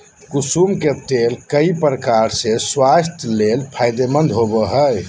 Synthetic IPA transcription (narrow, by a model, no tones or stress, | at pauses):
kusumket̪elkəipɾəkaɾsẽswast̪ʰjlelpʰajd̪emə̃nd̪ɦobəɦəj